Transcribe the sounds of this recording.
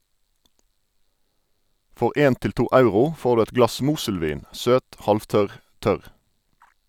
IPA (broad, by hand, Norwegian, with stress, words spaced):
ˈfɔʁ ˈeːn ˈtɪl ˈtuː ˈɑʉʁʊ ˈfoːʁ ˈdʉː ˈɛt ˈɡlɑs ˈmuːsəlˌʋiːn ˈsøːt ˈhɑlfˌtœʁ ˈtœʁ